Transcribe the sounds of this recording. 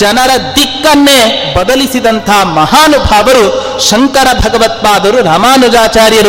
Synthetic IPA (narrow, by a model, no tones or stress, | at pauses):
d͡ʒɐnɐɾɐd̪ikːɐnːebɐd̪ɐlisid̪ɐnt̪ʰɐɦɐmɐɦaːnubʱaːʋɐɾu | ʃɐŋkɐɾɐbʱɐɡɐʋɐt̪̚paːd̪ɐɾuɾaːmaːnud͡ʒaːt͡ʃaːɾjɐɾu